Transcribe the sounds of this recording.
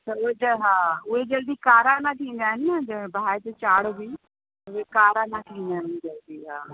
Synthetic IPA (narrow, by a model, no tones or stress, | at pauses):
təed͡ʒəɦaːʊɦed͡ʒɐld̪iːkaːɾaːnãːt̪ʰĩːn̆d̪aːɦɪnɪnəd͡ʒəbʱaat̪et͡ʃaːɽbiː | ʊekaːɾãːnãt̪ʰiːnd̪aːɦɪnd͡ʒəld̪iːɦaː